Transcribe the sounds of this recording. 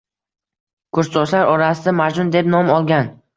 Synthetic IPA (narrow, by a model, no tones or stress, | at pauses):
kʰʊɾssɒʃlaɾɒɾasɪd̪amad͡ʒʊnd̪e̞pnɒmɒlˠɡʲan